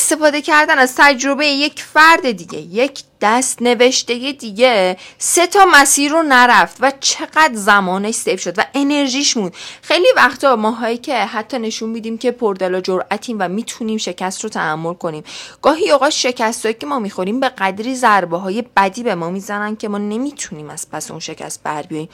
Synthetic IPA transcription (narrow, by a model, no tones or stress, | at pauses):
est̪efɒːd̪e̞cʰæɾd̪ænæzt̪ʰæd͡ʒɾo̞be̞jeje̞cfæɾd̪e̞d̪iɟe̞̰jecʰd̪̥æst̪ne̞ve̞ʃt̪e̞jed̪iːɟe̞se̞t̪ʰɒːmæsiːɾːonæɾæft̪væt͡ʃʰe̞ɣ̥æd̪zæmɒːneʃsefʃo̞d̪væʔe̞ne̞ɾʒiːʃmund̪xe̞jlivæχt̪ʰɒmɒːɦɒːicʰe̞ɦæt̪ʰːɒːne̞ʃunmid̪iːmcʰe̞pʰoɾd̪elɒːd͡ʒoɾʔæt̪ʰiːmvæmiːt̪ʰuniːmʃe̞cʰæst̪rot̪ʰæːmːo̞lkʰo̞niːmɡ̥ɒːɦioɣɒːt̪ʃe̞cʰæst̪ɒːjice̞mɒːmixo̞ɾiːmbe̞ɣæd̪ɾiːzæɾbɒɦɒːje̞b̥æd̪iːbe̞mɒːmiːzænænd̪̥̚cʰe̞mɒːne̞miːt̪ʰuniːmæz̥pʰæseṵnʃe̞cʰæ̰st̪̚bæɾbijɒːjiːm